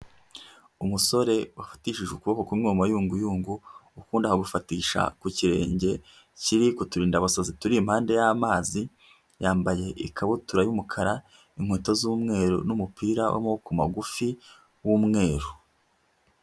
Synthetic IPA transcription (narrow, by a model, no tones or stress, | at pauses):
umuso̞ɾe̞wafḁtiːʃiʒukuβokokumŋuːmajuːŋɡujuːŋɡuukuːndahaɡufatiːʃa̰kuciɾe̞ːɲɟe̞ | ciɾikotuɾiːndaβasazituɾiːmhaːnde̞jaːmaːzi | jaːmbaje̞ʔikʰaβotuɾajumukʰaɾa | iŋ̥hweːtozuːmŋe̞ːɾo̰numupiːɾawʔa̰mokuma̰ɡufi | wumŋe̞ːɾu